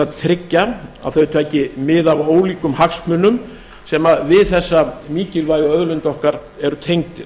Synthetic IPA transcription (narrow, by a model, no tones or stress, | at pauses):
at̪ʰɾɪcːaa̰ðθœt̪ʏɛhcɪmɪðavoːwliːkʏmhaksmʏnʏm | sɛmaðvɪðθɛsːamiːcɪlvaːjaœðlʏnt̪ɔhkaɾ | ɛɾʏt̪ʰejŋt̪ɪ